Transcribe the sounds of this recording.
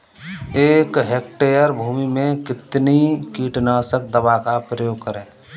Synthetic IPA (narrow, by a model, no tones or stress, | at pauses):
eːkɦeːk̚ʈejəɾbʱuːmimẽkɪt̪nikiːʈnaːsək̚d̪əbakapɾəjoːɡ̚kəɾẽː